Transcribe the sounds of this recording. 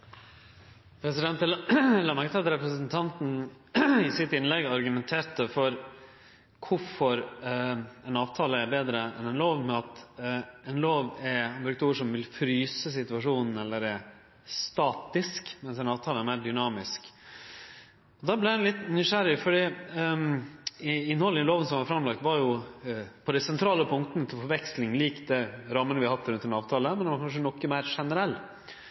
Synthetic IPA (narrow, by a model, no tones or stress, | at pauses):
pʰɾɛsɪd̪ɛnt̪əlɑmæɡt̪ʰɑt̪ɾɛpɾəsənt̪ʰɑnt̪n̩ | ɪsɪt̪ɪnlɛɡɑɾɡʉmɛnt̪ʰeːɾt̪əfɔɾ | kʰʊfɔɾ | ɛnɑːʋt̪ʰɑːləæɾbeːd̪ɾəɛ̰nɛnloːʋmɛɑt̪ɛnloːʋɛɾnbɾʉkt̪uːʂɔmʋɪlfɾyːsəs̬ɪt̪ʉɑʂuːnn̩ɛlːəɾæɾ | st̪ɑːt̪ɪskmɛnsɛnɑːʋt̪ʰɑːləæɾmæːɖʏnɑːmɪsk | ɔd̪ɑblɪɾd̪ænlɪt̪nʏʂæɾɪfɔɖiː | ɪnːhɔləɪloːʋənsɔmʋɑɾfɾɑmlɑkt̪ʋɑɾjʊ | pʰɔd̪ɛɪsɛnt̪ʰɾɑːləpʰʊŋkt̪ənət̪ʰɪlfɔɾʋɛkslɪŋliːkd̪ɛɾɑmːənəʋɪhɑhɑt̪ːɾʉnt̪ɛnɑːʋt̪ʰɑːləmɛnɛʋɑɾkʰɑnʂ̬ənɔkːəmæɪɾʂɛnəɾɛlː